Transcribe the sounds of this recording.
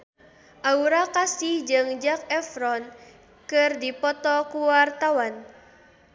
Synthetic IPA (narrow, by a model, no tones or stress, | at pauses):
ʔauɾakasihd͡ʒɨŋd͡ʒak̚ɛfɾɔn | kɨrdipɔt̪ɔkuwart̪awan